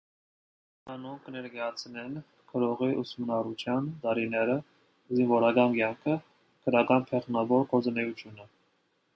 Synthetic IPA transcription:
ɑnuŋkʰənɛɾɡɑjɑt͡sʰnɛn | kʰəɾɔʁiʔusmənɑrut͡ʃ̪ʰjɑnt̪ɑɾinɛɾə | zinvɔɾɑɡɑnɡjɑŋkʰə | kʰəɾɑɡɑnpʰɛχnɑvɔɾkʰɔt͡sənɛjut͡s̪ʰjunə

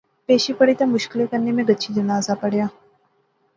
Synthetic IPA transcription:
peːʃipəɽit̪amʊʃkɪlekəɾnemẽɡətːt͡ʃʰid͡ʒɐnaːzapɐɽjaː

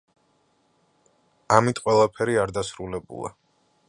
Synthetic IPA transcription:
amit̪ʼqʼwɛlˠapʰɛɾiaɾd̪asɾulɛbṵlˠa̰

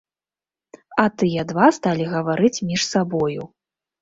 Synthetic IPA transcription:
ɐt̪ɨjɛd̪vast̪alʲiɣɐvaɾɨt͡sʲmʲiʂsabɔju

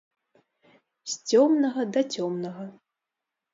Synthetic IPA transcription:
sʲt͡sʲɔmnɐɣɐd̪ɐt͡sʲɔmnɐɣɐ

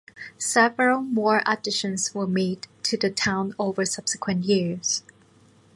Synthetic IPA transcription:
sɛvəɹəlˠmɔɹʔədɪʃɨ̃nzwə˞meɪdtʰɨðɨtʰãʊ̃noʊvə˞sʌb̥səkʰwə̃nʔjɪɹz̥

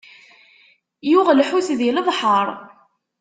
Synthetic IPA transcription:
jʊʁlħuθðiləðˤħəɾˤ

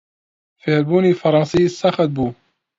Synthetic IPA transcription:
feːɾbuːniːfɑɾˤɑnsˤiːsɑxɑt̪̚buː

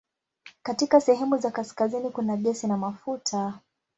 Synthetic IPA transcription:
katikasɛɦɛmuzakaskazinikunaɠɛsinamafutʰa

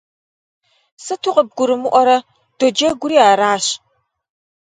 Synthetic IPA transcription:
sɨtʰuqəb̚ɡʷʊɾɨmɨʔʷɔɾɐ | d̥ɔd͡ʒɐɡʷʊɾiːaːɾaːɕ

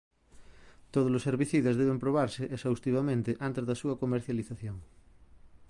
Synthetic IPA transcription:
t̪oð̞ozloseɾβiθiðazðeβ̞empɾoβ̞aɾseʔesawst̪iβamẽnt̪eʔant̪ezðasuɐkomeɾθjaliθaθjoŋ

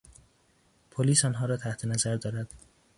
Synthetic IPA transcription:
pʰoliːsɒːnɦɒːɾɒːt̪ʰæht̪ʰenæzæɾd̪ɒːɾæd̪̥

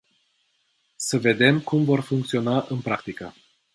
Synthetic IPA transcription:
səve̞d̪e̞mkumvo̞rfuŋk̚t̪sio̞naʔɨnpɾak̚t̪ikə

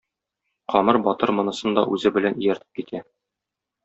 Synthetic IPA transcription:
qɒmɤɾbɒt̪ɤɾmɤ̆nɤ̆sɤnd̪ɒʔʉzɘbɘ̆lænijæɾt̪ɘ̥p̚kit̪ʰæ

